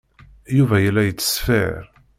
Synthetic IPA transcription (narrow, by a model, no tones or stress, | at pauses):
juvæjəlːæjət͡sːə̥sfɪɾ